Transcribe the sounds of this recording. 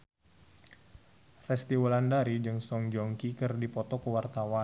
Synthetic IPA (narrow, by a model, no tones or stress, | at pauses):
rɛst̪iwɔlandaɾid͡ʒɨŋsɔŋd͡ʒɔŋkikɨrdipɔt̪ɔkəwart̪awan